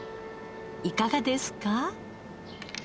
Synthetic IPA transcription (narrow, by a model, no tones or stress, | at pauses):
ikaɡad̪esɨ̥ka